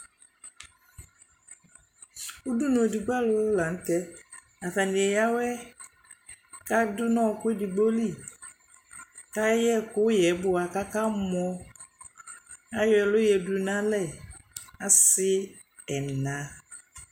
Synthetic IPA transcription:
u˦du˦nõ˨di˨ɡ͡ba˦lʊ˦la˨n̩˦tɛ˦ | a˨ta˨nĩ˨ɛ˨ja˦wɛ˦ | ka˦dʊ˦nɔ̃˦˨kʊ˦e˦di˨ɡ͡bo˦li˦˨ | ka˦jɛ˦kʊ˦jɛ˨˦bʊ˨a˨ka˦ka˦mɔ˦ | a˦jɔ˨ɛ˨lʊ˦jɛ˨du˨nã˦lɛ˨ | a˨sɪ˦ | ɛ˨nã˨

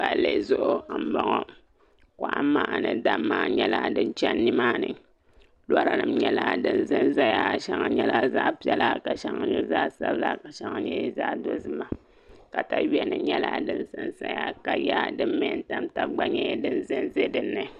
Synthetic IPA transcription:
ba˨lːe˨˦˨zʊ˦ʔʊ˨a˨m̩˨˦ba˦ŋo˦ | ko˨ʔa˨˦maː˦ʔa˨nɨ˨da˦mːaː˦ɲɛ˦la˦dɨ˦nt͡ʃɛ˦nːi˦maː˦nɨ˨ | la˦ɾa˦nɨ˨mɲɛ˦la˦dɨ˦nzɨ˦nza˦ja˦˨ʃa˦ŋa˦ɲɛ˦la˦za˦pi˦ɛ˦la˦ka˨ʃa˦ŋa˦ɲɛ˦zaː˦sa˦bɨ˦la˦ka˨ʃa˦ŋa˦ɲɛ˦zaː˦do˦zɨ˦ma˨ | ka˨ta˨wɛ˦nɨ˨ɲɛ˦la˦dɨ˦nsɨ˦nsa˦ja˦ka˨ja˦dɨ˦m˦me˦n˦ta˦mta˨ɡ͡ba˦ɲɛ˦dɨ˦nzɨ˦nze˦dɨ˦nːɨ˨

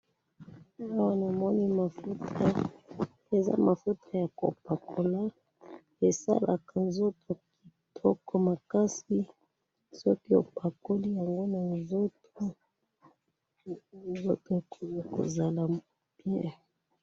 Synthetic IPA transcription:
a˦wa˦na˨mɔ˦ni˦ma˨fu˦ta˦ | e˨za̰˦ma˨fu˦ta˨ja˨ko̰˨pa˨kʰo˨la˦ | e˨sa̰˦la˨ka˨nzo˦tʰo˨ki̥˨tʰɔ˦kɔ˨ma˨ka˦si˦ | sɔ˦ki˦o˨pʰa˨ko˦li˦ja˨ŋɡo˦na˨nzo˦t | o˦ | nzo̰˦to˨e˨kʰo˨mu˦ko̰˨za˨la˨m˨ | bjɛ˦

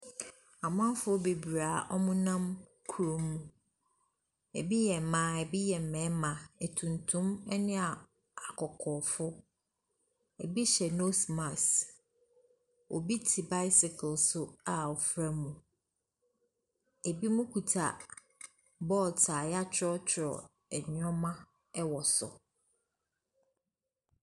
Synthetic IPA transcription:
a˨mã˦fʊ˦ɔ˦be˨bɾaː˨ʔɔ˦mʊ̃˦nã˦m | kʰu˨ɾo˦mːũ˨ | e˨bi˦jɛ˨mãː˨˦˨ɛ˨bi˦jɛ˨m̩˨mɛ̃˨˦mã˨e˨tʰũ˨ntʰũ˦mɛ˦nɪ̃˦a˨ | a˨kʰɔ˨kʰɔː˨fʊ˦ | ɛ˨bi˦ɕɛ˨no˦sma˨s | o̰˨bi˦tʰi˨ba˦ɪ˦sɪ˨kʰlsʊ˨a˨ɔ˨fɾa˦mũ˨ | e˨bi˦mũ˦kʰu˨tʰa˨ | bɔː˦˨ltʰaː˨ja˦t͡ɕʰɾɔ˦t͡ɕʰɪ˨ɾɔ̰˨ | ɛ˨ɲ˦ɔ̃˦mã˦ | ɛ˦wɔ˨sʊ̰˨

